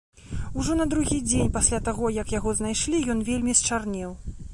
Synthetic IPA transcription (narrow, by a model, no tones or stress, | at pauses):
uʐɔnɐd̪ɾuɣʲid͡zʲenʲpasʲlʲat̪aɣɔjɐkjaɣɔzn̪ajʂlʲijɔn̪vʲelʲmʲist͡ʂarnʲɛw